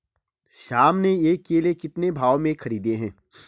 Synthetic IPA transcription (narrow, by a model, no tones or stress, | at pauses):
ʃaːmneeːkːelekɪt̪nebʱaːomẽxʰɐɾiːd̪eɦɛ̃ː